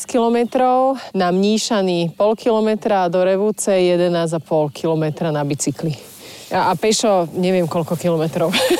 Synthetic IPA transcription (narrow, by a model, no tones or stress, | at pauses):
skilɔmɛt̪ɾɔʊnamɲiːʃaniːpɔlkilɔmɛt̪ɾad̪ɔɾɛʋuːt͡sɛjɛd̪ɛnaːzapɔlkʰilɔmɛt̪ɾanabit͡sikli | aapɛʃɔɲɛʋɪɛmkɔlkɔkilɔmɛt̪ɾɔʊ